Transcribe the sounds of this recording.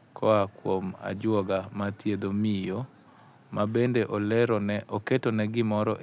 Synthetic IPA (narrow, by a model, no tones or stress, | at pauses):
kʰɔakwoma̰d͡ʒwɔɡamat̪jed̪omijo | mabendeʔlɛɔketɔnɛɡɪmɔɾɔʔ